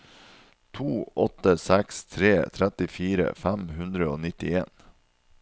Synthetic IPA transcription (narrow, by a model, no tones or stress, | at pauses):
t̪ʰuːʔɔt̪əsɛkst̪ʰɾeːt̪ʰɾɛt̪ɪfiːɾə̰fæmhʉnd̪ɾəoːnɪt̪ɪeːn